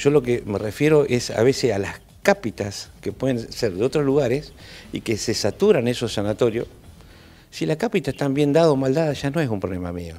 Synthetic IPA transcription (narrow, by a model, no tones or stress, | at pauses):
ʒ̥o̞lo̞kemerefje̞ɾoʔesa̰βesesa̰las | kapit̪askepwe̞ðenseɾðeo̞t̪ɾoluɣaɾesḭkesesat̪uɾanesosanat̪o̞ɾjo | silakapit̪aet̪ambje̞nd̪aðoːmald̪aðaʒanoes̬umpɾoβlema̰mjḛo